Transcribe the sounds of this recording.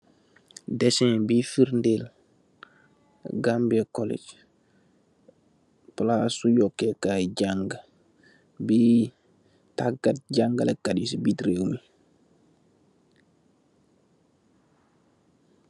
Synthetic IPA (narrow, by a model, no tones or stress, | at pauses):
dɛsɛ̃bifiɾndel | ɡambekɔlḛd͡ʒ | plasujɔkːekaɟaŋɡ | bi | taɡat̚ɟaŋɡalekadjusibitɾewumi